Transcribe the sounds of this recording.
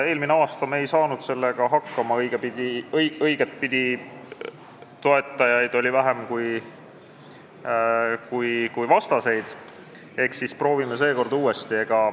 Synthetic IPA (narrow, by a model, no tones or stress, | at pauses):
e̞ːlmineɑːst̪ɑme̞jsɑːnud̪̥se̞lːeɡ̥ɑɦɑkːɑmɑɤjɡ̥epid̪̥ʲijɤjɡ̥et̪̚pid̪̥ʲi | t̪o̞e̞t̪ːˑɑjɑjd̪̥o̞lʲivæɦe̞mkuj | kujkujvɑst̪ɑse̞jd̪̥ | e̞hksispro̞ːvimese̞ːko̞rd̪uːe̞st̪ie̞ɡ̥ɑ